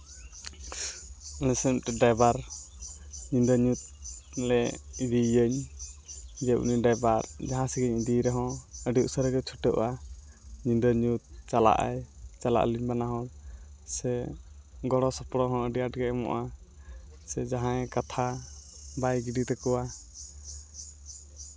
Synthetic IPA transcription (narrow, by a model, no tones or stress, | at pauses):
nɛsɛʔt̪ɛɖajbaɾ | ɲind̪əɲut̪̚lɛid̪ijəɲ | d͡ʒɛʔṵniɖajbaɾd͡ʒaɦãsiɡɛɲid̪iɾɛɦɔ̃əɖiuʔsəɾɡɛt͡ʃʰuʈəʔa | ɲind̪əɲut̪̚t͡ʃala̰ʔa̰jt͡ʃala̰ʔliɲbanaɦɔ̃ | sɛ | ɡɔɽɔsɔpɽɔɦɔ̃əɖiaʈɡɛɛmɔ̰ʔa | sɛd͡ʒaɦãɛkat̪ʰa | bajɡiɖit̪ɛkɔwa